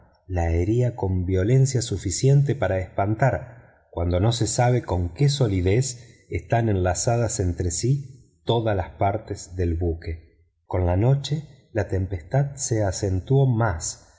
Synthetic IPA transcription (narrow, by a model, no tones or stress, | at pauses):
laeɾiako̞mbjo̞le̞nsjasufisje̞nt̪̬epaɾaespant̪aɾ | kwand̪o̞no̞se̞saβ̞e̞ko̞ŋkeso̞liðes | est̪ane̞nlasað̞asent̪ɾesi | t̪o̞ðalaspaɾt̪ezðe̞lβuke | ko̞nlano̞t͡ʃe | lat̪e̞mpe̞st̪aðseasent̪wo̞mas